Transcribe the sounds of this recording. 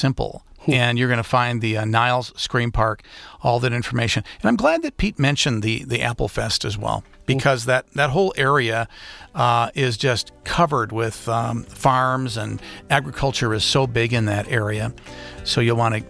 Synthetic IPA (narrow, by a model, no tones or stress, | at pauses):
sɪ̃mpl̩ˠɨ̃njə˞ɡʌñəfãɪ̃nðinaɪlˠz̥skɹĩnpʰɑɹkɔlˠðɨɾɪ̃ɱfə˞meɪʃɨ̃nɨ̃ñãɪ̃mɡlæd̪̚ðɨt̚pʰit̚mɛ̃nʃɨ̃nðiðiʔæpl̩ˠfɛstɨzwɛ̰lˠ | b̥ɨkʰʌzðɨt̪̚ðɨt̚ɦoʊlˠʔɛɹiɨ | ɪzd͡ʒʌstkʰʌvə˞d̚wɪð̥fɑɹmzɨ̃næɡɹɨkʰʌlˠt͡ʃə˞ɨz̥soʊbɪɡɨ̃nðɨɾɛɹiɨsoʊjɨwɑ̃ɾ̃ɨ